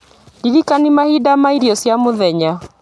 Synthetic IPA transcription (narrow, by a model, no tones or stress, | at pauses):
diɾikanimahidamaiɾiɔsjamoðɛɲa